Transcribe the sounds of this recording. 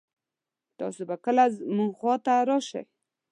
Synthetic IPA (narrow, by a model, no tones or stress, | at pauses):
t̪ɑ̰sobakəlazmuŋɡxwɑt̪aɾɑʃa̰j